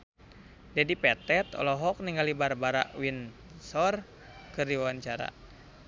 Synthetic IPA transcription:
d͡ʒadipɛt̪ɛt̪ɔ̰lɔɦɔk̚niŋalibarbaɾa̰ʔwinsɔr | kɨrdiwawaɲt͡ʃaɾa̰

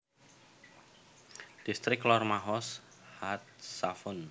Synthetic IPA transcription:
d̪̥ist̪ɾɪklɔrmaɦɔs | hat̪̚safʊn

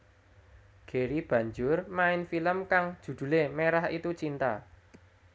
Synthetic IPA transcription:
ɡ̥e̤ɾib̥ä̤ɲd͡ʒʊrmaɪnfiləmkaŋd̥ʒ̥ṳd̪̥ṳlemeɾahit̪ut͡ʃint̪a̰

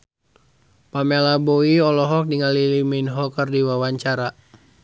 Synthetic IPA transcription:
pamelaboiɔlɔɦɔk̚diŋaliliminɦɔkərdiwawaɲt͡ʃaɾa

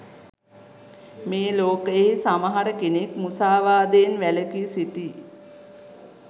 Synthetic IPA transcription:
meːloːkəeɦisaməɦaɾəkenekmusaːʋaːd̪eːnʋæləkisit̪i

